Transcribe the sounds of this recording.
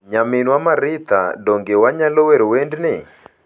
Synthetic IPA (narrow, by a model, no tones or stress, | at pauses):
ɲamɪnwamaɾɪt̪a̰doŋɡewaɲaloweɾowendnɪ